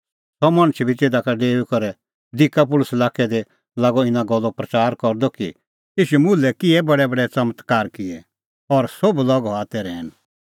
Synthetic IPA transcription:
sɔmɐ̃ɽ̃t͡ʃʰbʱiteːd̪akaɖeːukɔɾɛ | d̪ɪkːap̬ʊlʊsɛlaːkʰɛd̪e | laːɡɔɪnãɡɔlːɔpɾɐt͡saːɾkɔɾd̪ɔki | ɪːʃumʊlɛkɪɛbɐɽɛbɐɽɛt͡sɐmət̪kaːɾkɪɛ | ɔɾsoblɔɡɔɦaːt̪ɛɾɛːn

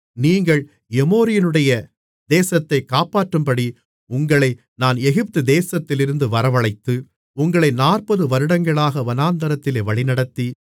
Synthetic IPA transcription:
niːŋɡɐɭ | ɛmoːɾɪjɪnɯɽɐjɐ | d̪eːsɐt̪ːɐɪkːaːpaːʈːɯmpɐɽi | ʊŋɡɐɭɐɪ | naːnɛɣɪp̚t̪ɯd̪eːsɐt̪ːɪlɪɾɯnd̪ɯʋɐɾɐʋɐɭɐɪt̪ːɯ | ʊŋɡɐɭɐɪnaːrpɐðɯʋɐɾɯɽɐŋɡɐɭaːɣɐʋɐnaːnd̪ɐɾɐt̪ːɪleːʋɐɭɪnɐɽɐt̪ːi

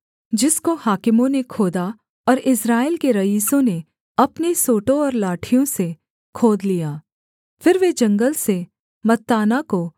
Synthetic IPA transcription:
d͡ʒɪskohaːkɪmõnekʰoːd̪a | ɔːɾɪsɾaːɪlkeɾɐiːsõne | ɐpnesoːʈõɔːɾlaːʈʰijõse | kʰoːd̪lijaː | fɪɾʋed͡ʒɐ̃ŋɡəlse | mɐt̪ːaːnako

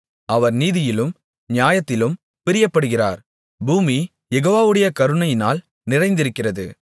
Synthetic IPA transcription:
ɐʋɐɾniːðɪjɪlɯm | njaːjɐt̪ːɪlɯm | pɪɾɪjɐpːɐɽɯɣɪra̰ːɾ | buːmi | jɛɣoːʋaːʋɯɽɐjɐkɐɾɯɳɐjɪnaːl | nɪrɐɪnd̪ɪɾɯkːɪrɐðɯ̰

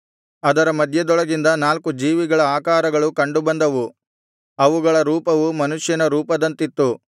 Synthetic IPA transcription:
ɐd̪ɐɾɐmɐd̪ʱjɐd̪ɔɭɐɡind̪ɐnaːlkud͡ʒiːʋiɡɐɭɐaːkaːɾɐɡɐɭukɐɳɖubɐnd̪ɐʋu | ɐʋuɡɐɭɐɾuːpɐʋumɐnuʂjɐnɐɾuːpɐd̪ɐnt̪it̪ːu

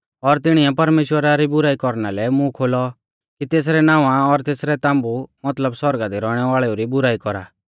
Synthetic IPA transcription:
ɔɾt̪ɪɽ̃iɛpɐɾmeːʃwəɾaɾibʊɾaːikɔɾnalɛmũkʰoːlɔ | kit̪eːs̬ɾɛnãːʋãɔɾt̪eːsɾɛt̪ãːmbumɐt̪ləbswɔɾɡad̪iɾɔːɽ̃ɛʋaːɭɛoɾibʊɾaːikɔɾa̰ː

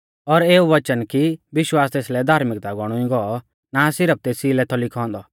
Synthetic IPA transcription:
ɔɾeːuʋɐt͡ʃənkiʋɪʃwaːst̪eːslɛd̪ʱaːɾmɪk̚t̪aɡɔɽ̃ũĩɡɔɔ | nasɪɾəp̚t̪eːsiːlɛt̪ʰɔlɪkʰɔ̃ːnd̪ɔ

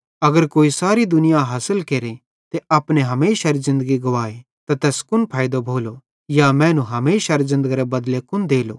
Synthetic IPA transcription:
ɐɡəɾkoːisaːɾid̪ʊnɪjaɦaːsəlkeːɾe | t̪eʔɐpneɦɐmeːʃaɾizɪ̃nd̪əɡiɡɐʋaːe | t̪at̪ɛːskʊnpʰaːjd̪obʱoːlo | jamɛ̃ːnũɦɐmeːʃaɾezɪ̃nd̪əɡiɾebɐd̪lekʊnd̪eːlo̰ː

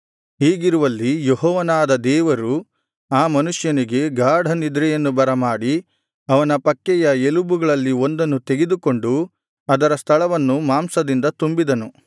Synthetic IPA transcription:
ɦiːɡiɾuʋɐlːijeɦɔːʋɐnaːd̪ɐd̪ɛːʋɐɾu | aːmɐnuʂjɐniɡe̞ɡaːɽʱɐnid̪ɾɛjɐnːubɐɾɐmaːɽi | ɐʋɐnɐpɐkːɛjɐelubuɡɐɭɐlːio̞nd̪ɐnːut̪eɡed̪uko̞ɳɖu | ɐd̪ɐɾɐst̪ʰɐɭɐʋɐnːumaːmsɐd̪ind̪ɐt̪umbid̪ɐnu

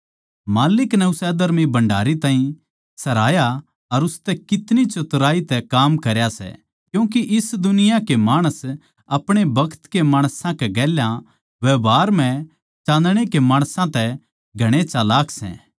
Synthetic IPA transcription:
maːlɪknɛʊsɛd̪ɐɾmibɐ̃ɳɖʱaːɾit̪ãːɦĩ | sɐɾaːja | ɐɾʊst̪ɛkɪt̪nit͡ʃʊt̪ɾaːit̪ɛkaːmkɐɾjasɛ̰ | kjũːk̬iʔɪsd̪ʊnɪjãkemaːɽ̃əs | ɐpɽ̃ebɐkʰt̪kemaːɽ̃sãkɛɡɛːljã | ʋɛbaːɾmɛ̃ | t͡ʃãːnd̪ɽ̃ekemãːɽ̃sãt̪ɛ | ɡʱɐɽ̃et͡ʃaːlaːkʰsɛ̰̃ː

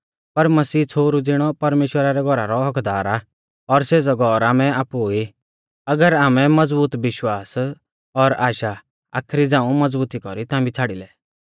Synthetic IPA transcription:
pɐɾmɐsiːt͡sʰoːɾud͡zɪɽ̃ɔpɐɾmeːʃwəɾaɾɛɡʱɔɾa̰ɾɔɦɐkd̪aːɾa | ɔɾseːd͡zɔɡʱɔɾaːmɛaːpui | ɐɡəɾaːmɛ̃mɐd͡zbuːt̪ʋɪʃwaːs | ɔɾaːʃa | a̰ːkʰɾid͡zãːũmɐd͡zbuːt̪ikɔɾit̪ãːmbit͡sʰaːɽilɛ

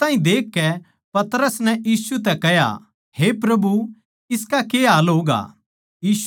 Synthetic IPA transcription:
t̪aːĩd̪eːkːɛ | pɐt̪ɾəsnɛ̃jiːsut̪ɛkɛɦja̰ | hepɾɐbu | ɪskakeːaːloːɡa̰ː | jiːs

